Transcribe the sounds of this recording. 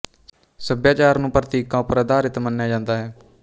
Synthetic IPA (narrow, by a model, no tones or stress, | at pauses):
səbjaːt͡ʃaːɾnũːpɾət̪iːkãːʊpɾad̪aːɾɪt̪mənːjaːd͡ʒãːnd̪aːɦɛː